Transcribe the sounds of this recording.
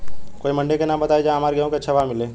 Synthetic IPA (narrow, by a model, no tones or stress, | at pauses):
koːimɐ̃ɳɖekenãːmbɐt̪aːed͡ʒaːmaːɾɡɐjõket͡ʃʰɐʋaːmɪleː